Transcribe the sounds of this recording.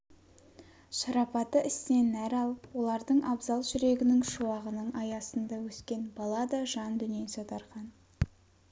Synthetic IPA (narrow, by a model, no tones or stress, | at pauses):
ʃɑɾɑpɑt̪əʔɪsnenæɾɑlˠəpwo̞lˠɑɾd̪əɴɑbzɑlˠʒʏɾe̞ɡʲɪnɪŋʃuɑʁənəɴɑjɑsənd̪ɑwɵskʲe̞nbɑlˠɑd̪ɑʒɑnd̪ʏnjensot̪ɑɾqɑn